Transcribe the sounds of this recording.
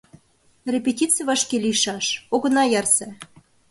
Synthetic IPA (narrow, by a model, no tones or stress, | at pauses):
rʲepʲetʲit͡sɨjβɑʃkelʲiʃɑʃoɣɤ̆nɑjɑrse